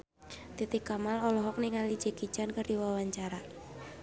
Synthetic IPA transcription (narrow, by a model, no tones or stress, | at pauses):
t̪it̪ikamalɔlɔɦɔk̚niŋalid͡ʒ̥e̤ki̥t͡ʃankərd̥iwawaɲt͡ʃaɾa